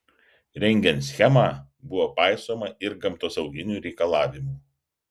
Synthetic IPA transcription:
ɾʲɛŋʲɡʲɛnt̪sʲxʲɛmɑː | bʊʋoːpɑˑɪsoːmɐʔɪɾɡɐmt̪oːsɐʊɡʲɪnʲuːɾʲɛɪkɐlˠɑːʋʲɪmuː

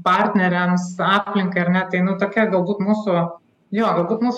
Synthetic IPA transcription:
pɐrʲt̪ʲnʲɛɾʲɛmsɑːpʲlʲɪŋkɐɪɐɾrnʲɛt̪ɐɪnʊt̪oːkʲiɛɡɐlˠbuːt̪muːsʊ | joːɡɐlˠbuːt̪muːs

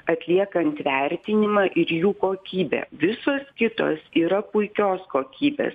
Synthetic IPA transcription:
ɐt̪ʲlʲiɛkɐnt̪ʋʲɛˑɾʲt̪ʲɪnʲɪmɑːʔɪɾjuːkoːkʲiːbʲɛ̰ːʋʲɪsoːskʲɪt̪o̰ːsiːɾɐpʊɪkʲoːskoːkʲiːbʲḛːs

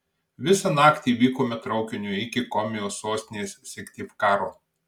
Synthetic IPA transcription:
ʋʲɪsɐnɑːkt̪ʲiːʋʲiːkoːmʲɛt̪ɾɒʊkʲɪnʲʊɪkʲɪkɔmʲɛjoːsoːsʲt̪ʲɪnʲeːsʲsʲɛkʲt̪ʲipkɑːɾoː

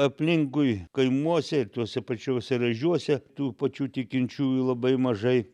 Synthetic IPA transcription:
ɐpʲlʲɪŋkʊɪkɐɪmuɔsʲɛɪt̪uɔsʲɛpɐt͡ʃʲoʊsʲɛɾɐʒʲuɔsʲɛt̪uːpɐt͡ʃʲuːt̪ʲɪkʲɪnʲt͡ʃʲuːjlˠɐbɐɪmɐʒɐɪ

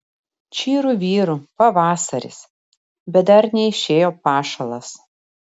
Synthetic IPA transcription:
t͡ʃʲiːɾuːʋʲiːɾuːpɐʋɑːsɐɾʲɪ̰s | bʲɛt̪̚d̪ɐɾnʲɛɪʃʲeːjoːpɑːʃɐlˠɐs

